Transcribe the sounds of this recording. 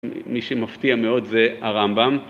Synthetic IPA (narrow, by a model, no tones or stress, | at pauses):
miʃemaft̪iameo̞dzeaʁambam